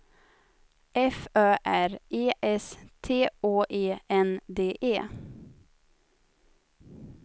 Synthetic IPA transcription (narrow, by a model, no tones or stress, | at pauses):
ʔɛfœːʔæɾʔeːʔɛst̪ʰeːʔoːʔeːʔɛnd̪eːʔeː